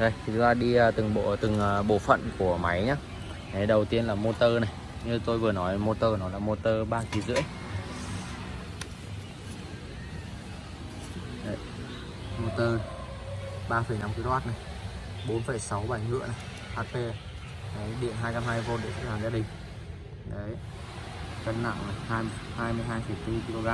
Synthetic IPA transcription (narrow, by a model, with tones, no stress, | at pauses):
zə˧˩jʰi˨˩u˨˦ŋzaː˧˩ɗi˧əː˨˩t̪ɨ˨˩ŋɓo̰˧˨t̪ɨ˨˩ŋː˨˩ɓo̰˧˨fə̰˧˨nku˧˩əma˨˦jɲaː˧ | na˨˦jɗə˨˩wt̪i˧ənlaː˨˩mo˧t̪əː˧na˨˩j | ɲɨ˧t̪o˧jvɨ˨˩ənɔ˨˦jmo˧t̪əː˧nɔ˨˦laː˨˩mo˧t̪əː˧ɓaː˧ki˨˦zɨ̰˧˥əj | ə˧˩j | mo˧t̪əː˧ | ɓaː˧fə˨˩jna˧mki˧lo˧haː˦˥t̚na˨˩j | ɓo˨˦nfə˨˩jsa˨˦wɓaː˧˩ŋhɨ̰˧˥əna˨˩j | haː˧pe˧ | ɗə˨˦jɗḭ˧˨ənɦaː˧jka˧mhaː˧jvo˧ɗḛ˧˩˨t͡ɕa̰˧˥laː˨˩zaː˧ɗï˨˩ŋ̟ | ɗə˨˦j | kə˧nna̰˧˨ŋna˨˩jhaː˧jhaː˧jmɨ˧əjɦaː˧jfə˨˩jt̪ɨ˧ki˧lo˧ɣaː˧